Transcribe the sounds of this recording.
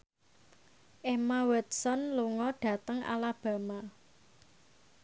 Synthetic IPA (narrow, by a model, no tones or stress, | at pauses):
ʔemawɛt̪̚sɔnluŋɔɖ̥ä̤t̪əŋa̰lab̥ä̤ma